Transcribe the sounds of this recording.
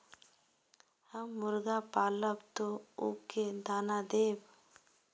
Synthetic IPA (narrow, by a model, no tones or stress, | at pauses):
həmːʊɾɡapaːləbt̪oṵked̪aːnad̪eːb